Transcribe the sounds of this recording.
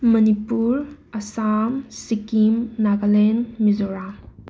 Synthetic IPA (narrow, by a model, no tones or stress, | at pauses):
mɐnipuɾɐsamsikimnaɡalenmizɔɾa